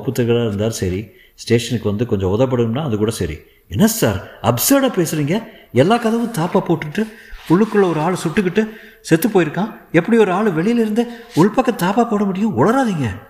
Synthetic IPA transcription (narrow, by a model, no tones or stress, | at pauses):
ɐpːɯt̪ːɪɾkːɐɾaːɪɾɯnd̪aːɾsɐɾi | sʈeːʂɐnɯkːɯʋɐnd̪ɯkɔɲd͡ʒɔ̃ɔðɐp̬ːɐɽɯnɯmnaːɐðɯkuːɽɐsɐɾḭ | ɛnːɐsa̰ːɾɐbsɐɾɽaːpeːsɯɾiːŋɡɐ | ɛlːaːkɐðɐʋɯ̃t̪aːpaːpoːʈːɯʈːɯʊɭːɯkːɯɭːɐɔɾɯaːɭɯsʊʈːɯk̬ːɪʈːɯ | sɛt̪ːɯpoːjɪɾɯkːãːɛpːɐɽiɔɾɯaːɭɯʋɛɭɪjɪlɪɾɯnd̪ɯʊɭpɐkːɐt̪aːpaːpoːɽɐmʊɽɪjʊ̃ʊɭɐɾaːðiːŋɡɐ